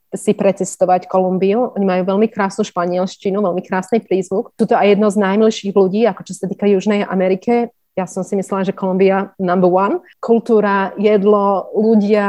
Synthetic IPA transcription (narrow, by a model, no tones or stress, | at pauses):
sipɾɛt͡sɛst̪ɔʋackɔlumbiuʔɔɲimajuːʋɛlmikɾaːsnuːʃpaɲɪɛlʃcinuʋɛlmikɾaːsnipɾiːzʋukt̪ut̪ɔajjɛd̪nɔznajmilʃiːɣluɟiːakɔt͡ʃɔsat̪iːkajuʒnɛjʔa̰mɛɾikɛ | jasɔmsimislɛlaʒɛkɔlumbianambuan | kʰult̪uːɾajɛd̪lɔluɟɪa